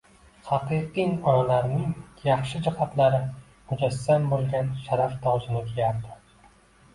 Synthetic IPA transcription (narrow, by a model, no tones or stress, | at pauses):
hɑqɨqiɒnalaɾnɪŋjɑχʃɪd͡ʒɪhat̪laɾɪ | mʊd͡ʒasːambolˠɡʲanʃaɾaft̪ʰɒwzɪnɪkʲʰejaɾd̪ɪ̥